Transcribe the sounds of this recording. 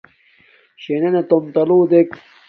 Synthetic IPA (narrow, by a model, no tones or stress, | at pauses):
ɕenenet̪omt̪ɐluːd̪ek